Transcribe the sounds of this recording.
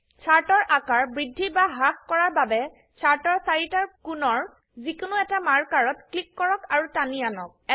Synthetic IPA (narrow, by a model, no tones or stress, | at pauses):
t͡ʃʰaɹtɔɹʔakaɹbɹidʱːibaɦakkɔɹaɹbabɛ | t͡ʃʰaɹtɔɹsaɹitaɹkunɔɹ | zikʊnʊɛtamaɹkaɹɔtklikːɔɹɔkaɹutanianɔk̚ɛ